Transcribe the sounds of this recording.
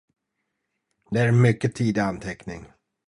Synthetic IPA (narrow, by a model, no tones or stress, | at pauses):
d̪ɛæɾmʏkːət̪ʰiːd̪ɪant̪ʰɛknɪ̰ŋ